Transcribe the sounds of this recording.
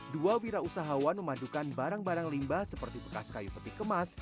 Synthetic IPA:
duawiɾausaɦawanməmadukanbaɾaŋbaɾaŋlimbahsəpərt̪ipəkaskajupət̪ikəmas

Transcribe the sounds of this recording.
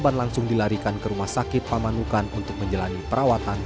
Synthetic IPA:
banlaŋsʊŋdilaɾikankəɾumahsakɪt̪̚pamanukanunt̪ʊk̚məɲd͡ʒəlanipəɾawat̪an

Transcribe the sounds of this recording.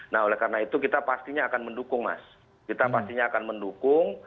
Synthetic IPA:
naɦolɛhkarənait̪ukit̪apast̪iɲaːkanməndukʊŋma̰s | kit̪apast̪iɲaːkanməndukʊŋ

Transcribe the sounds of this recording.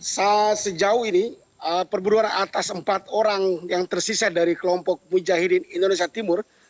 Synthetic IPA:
sat̪səd͡ʒaʊhini | əpərbuɾuanat̪asəmpat̪oɾaŋjaŋt̪ərsisadaɾikəlɔmpɔk̚mud͡ʒaɦiɾinindones̬iat̪imʊr

